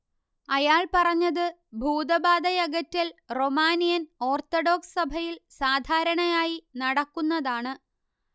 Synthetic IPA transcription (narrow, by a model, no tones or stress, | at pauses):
ɐjaːɭpɐrɐɲːɐðɨbʱuːd̪ɐbaːd̪ɐjɐɡɐtːɐlro̞maːnijɐno̞ːrt̪oɽo̞ːkssɐbʱɐjilsaːd̪ʱaːɾɐɳɐjaːjinɐɽɐkːunːɐðaːɳɨ